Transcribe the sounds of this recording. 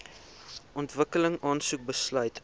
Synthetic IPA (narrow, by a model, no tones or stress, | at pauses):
ɔntvəkələŋɑːnsuk̚bəslœɥt